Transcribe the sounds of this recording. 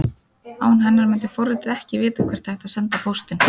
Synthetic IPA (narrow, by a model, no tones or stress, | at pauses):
aːwnɦɛnːaɾmɪnt̪̬ɪfowrːɪt̪ɪɾɛhcɪvɪːt̪akʰvɛɾ̥t̪θɛht̪aðsɛnt̪apʰowst̪ɪn